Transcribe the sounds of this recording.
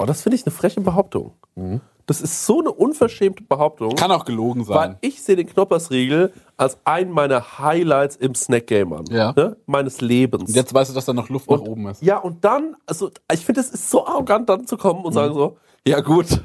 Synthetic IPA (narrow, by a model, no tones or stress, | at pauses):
bɔːd̥asfɪndəɪçnəfʁ̥ɛçəbəɦaʊp̚tʰʊ̰ŋ | d̥asɪstz̥oːnəʔʊnfɛɐʃɛːmtəbəɦaʊp̚tʰʊŋkʰanaʊxɡ̥əloːɡŋ̩zavaɪlnɪçz̥eːədeːnknɔpɐsʁiːɡl̩ʔalsʔaɪnəmaɪnɐhaɪlaɪtsɪmsnɛk̚ɡ̥ɛɪmʔa̰njaːnəmaɪnəsleːbən̩sʊnjɛt͡stvaɪstd̥uːd̥asd̥aːnɔχlʊftʊxʔoːbm̩ɪstjaːʔʊnt̚d̥anʔalzoɪçfɪndəɛsɪstz̥oːʔaʁoɡant̚d̥ant͡sukʰɔmənʊntz̥aːɡŋ̩zoː | jaːɡuːt